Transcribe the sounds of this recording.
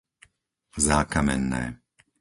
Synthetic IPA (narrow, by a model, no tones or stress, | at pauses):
zaːkamɛ̰nːɛ̰ː